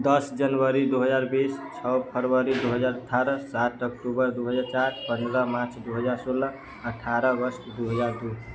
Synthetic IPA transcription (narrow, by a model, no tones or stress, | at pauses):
d̪ʌsd͡ʒənwəɾid̪uɦəd͡ʒaɾbist͡ʃʰɔpʰəɾwəɾid̪uɦəd͡ʒaɾəʈʰaɾəsat̪ʰək̚ʈubəɾd̪uɦəd͡ʒaɾt͡ʃaɾpənd̪ɾəmat͡ʃʰd̪uɦəd͡ʒaɾsolə | əʈʰːaɾʌbəɾsd̪uɦəd͡ʒaɾd̪u